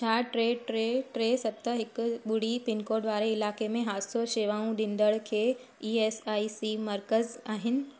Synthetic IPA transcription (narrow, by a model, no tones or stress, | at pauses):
t͡ɕʰaːʈɾeːɖʈɾeːʈɾeːsɐb̚t̪əɦɪkʊ̆ɓʊɽ̤ipɪnkoːɾɖʋaːɾeɪlaːkemẽɦaːsoʃeːʋaːũɗĩnd̪əɭkʰeː | iːeːsaːisimɐɾkəzaːɦɪnɪ̆